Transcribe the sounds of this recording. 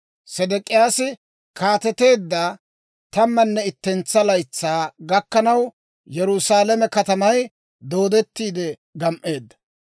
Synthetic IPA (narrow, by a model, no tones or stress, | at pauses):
sɛd̪ɛkʼɪjaːsɪ | kʰaːt̪ɛt̪e̞ːd̪ːaː | t̪ɐmːɐnːɛɪt̪ːɛnt͡sːɐlɐjt͡sːaːɡɐkːɐnɐw | jɛɾʊsaːlɐmɛkɐt̪ɐmɐj | d̪o̞ːd̪ɛt̪ːiːd̪ɛ | ɡɐmʔe̞ːd̪ːɐ̥